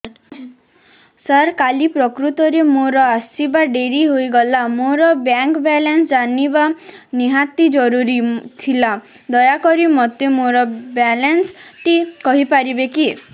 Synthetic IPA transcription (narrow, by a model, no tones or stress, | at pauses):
saɾkalipɾɔkɾut̪ɔɾemoɾɔasibaɖeɾiɦoiɡɔlamoɾɔbjaŋkbalansd͡ʒanibaniɦat̪id͡ʒɔɾuɾit̪ʰila | d̪ɔjakɔɾimɔt̪emoɾɔbalansʈikɔɦipaɾibeki